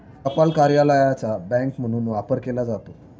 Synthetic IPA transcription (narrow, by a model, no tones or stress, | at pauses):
kəpalkaɾjaləjat͡sabɛ̃ŋkm̤əɽ̃uːnʋapəɾkelad͡zat̪o